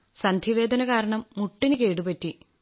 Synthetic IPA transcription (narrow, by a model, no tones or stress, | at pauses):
sɐnd̪ʱiʋe̞ːd̪ɐnɐkaːɾɐɳɐmːuʈːinɨkeːɽupɐtːi